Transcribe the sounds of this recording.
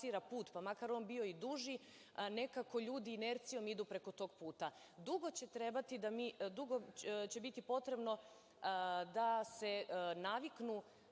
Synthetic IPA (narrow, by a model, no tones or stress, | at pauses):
iɾapuːt̪pamakaɾo̞ːnbio̞id̪uʒi | ne̞kako̞ʎuːd̪iːne̞ɾt̪sijo̞mid̪upɾe̞ko̞t̪o̞ːɡ̚puːt̪a | d̪uɡo̞t͡ɕe̞t̪ɾe̞bat̪id̪amid̪uɡot͡ɕe̞bit̪ipo̞t̪ɾe̞bno̞ | d̪ase̞naʋiknu